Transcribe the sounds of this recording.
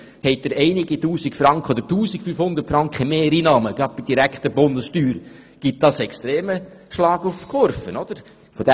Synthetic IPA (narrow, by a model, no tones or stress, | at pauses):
hɛɪt̚d̥̪əɾɛɪniɡituːsikfɾɑŋkχəod̪əɾtuːsikfyːfhʊnd̪əɾtfɾɑŋkχəmeːɾiːnɑːməɡ̥ɾɑp̚b̥id̥iɾækχt̪əbʊndəstyːɾ | ɡ̥it̚d̥ɑsɛkst̪ɾeːməʃlɑːɡufkʰoɾfənɔd̥̪əɾ | fɔd̥̪ɛ